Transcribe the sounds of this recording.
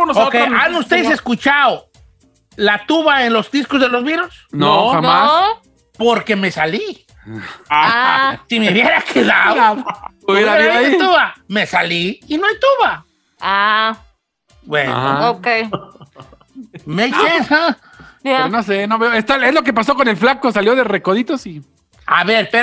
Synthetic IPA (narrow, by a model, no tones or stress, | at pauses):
onoookejanust̪eðes̬eskut͡ʃao | lat̪uβaenlo̞zd̪iskozðe̞lo̞zβiɾosnoanmas | po̞ɾke̞me̞sali | asimeuβjeɾakʰeðaðoo | uβjeɾaiaet̪uβame̞saliinoajt̪uβa | a | bwḛnokej | mesea | anos̬enoβeoest̪aezlo̞k̬ep̬as̬o̞ko̞ne̞lflakosaljo̞ðerekoðit̪osi | a̰βe̞ɾpe